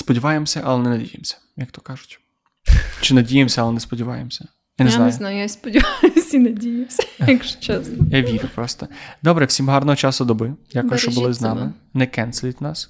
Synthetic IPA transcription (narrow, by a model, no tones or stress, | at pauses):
spɔdʲiʋɑjemsʲɐʔɐlˠɛnɛnɐdʲḭjemsʲɐ̥ | jɐk̚t̪ɔkɑʒʊtʲ | t͡ʃɪnɐdʲijemsʲɐɐlˠɛnɛspɔdʲiʋɑjemsʲɐ | janɛznajznajʊjaspɔdʲiʋajʊsʲɐinɐdʲijɪsʲɐɐkʒt͡ʃɛsjaʋʲiɾʲʊpɾɔst̪ɐd̪ɔbɾɛwsʲimɦɑrnɔɦɔt͡ʃɑsʊd̪ɔbɪjakkɔt͡ʃɔbʊlˠɪznɑmɪnɛkɛnt̪slʲitʲnɑs